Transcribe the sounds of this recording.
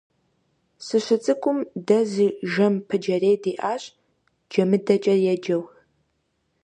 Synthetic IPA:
sɨɕʷɪt͡sʼɨkʷʼʊmdɐziːʒɐmpʰɨd͡ʒɐreːdiːʔaːɕʼ | d͡ʒɐmɨdɐt͡ʃʼɐrjɛd͡ʒɐwx

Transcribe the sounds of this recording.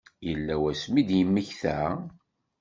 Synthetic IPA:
jəlːæwæsmid̪jəmːəçθæ

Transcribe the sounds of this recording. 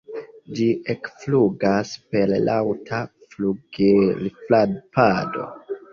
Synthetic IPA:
d͡ʒiʔekfluɡaspe̞llawtʰa | fluɡelifladpado̞̰

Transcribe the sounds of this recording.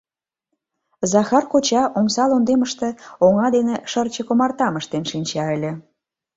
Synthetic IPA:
zɑxɑrkot͡ɕɑʔomsɑlond̪eməʃt̪ĕoŋɑd̪eneʃərt͡ɕə̆komɑrt̪ɑməʃt̪enʃinʲt͡ɕɑə̆lʲĕ

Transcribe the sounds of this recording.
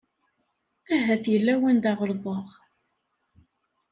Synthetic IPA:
æɦæθjəlːæwænd̪ɑʁəlðˤəʁ

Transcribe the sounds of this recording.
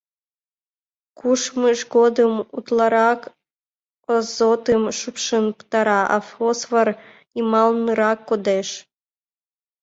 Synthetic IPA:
kuʃməʃɡod̪əmut̪lɑɾɑk | ozot̪əmʃupʃənpt̪ɑɾɑʔɑ̰fosvər | imɑlnɨɾɑkːod̪eʃ

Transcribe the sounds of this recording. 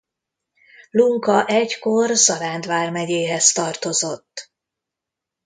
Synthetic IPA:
luŋkɒʔɛɟkorsɒɾaːnd̪ʋaːrmɛɟeːɦɛst̪ɒrt̪o̞zo̞t̪ː

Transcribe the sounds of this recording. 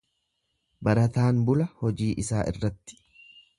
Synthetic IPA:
bɐɾɐt̪aːnbʊlɐhɔd͡ʒiːʔɪsaːʔɪ̰rːɐt̪ːɪ̥

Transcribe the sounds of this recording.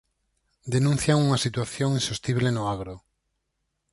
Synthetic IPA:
d̪enũn̟θjaŋuŋasit̪waθjoŋĩnsust̪iβlenʊaɣɾo

